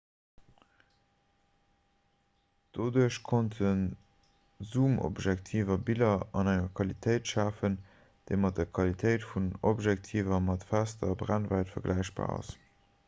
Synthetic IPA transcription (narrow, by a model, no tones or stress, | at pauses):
d̥oduəɕkʰontʰən | zuːmo̰bʒæk̚tʰiːvɐbilɐɑnæŋɐkʰwɑlitʰəɪtʃaːfən | d̥əɪmɑt̚dɐkʰwɑlitʰəɪtfunobʒɛk̚tʰiːvɐmɑtfæstɐbʁænvæɪtfɐɡlʔæɪʃb̥a̰ːɑ̰s